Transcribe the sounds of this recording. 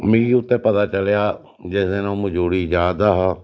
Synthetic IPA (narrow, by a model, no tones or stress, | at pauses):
mĩiʊt̪ːẽːpət̪aːt͡ʃəljaː | d͡ʒɪsd̪eːnõːməd͡ʒuːɽiːd͡ʒjaːd̪aːɦaː